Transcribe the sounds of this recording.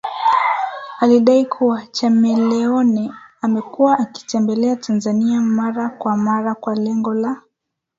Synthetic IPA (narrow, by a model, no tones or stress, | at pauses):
aliɗaikʰuwat͡ʃamɛlɛɔnɛamɛkuwaʔːki̥tɛmbɛlɛatʰanzaniamaɾakwamaɾakwalɛŋɡɔla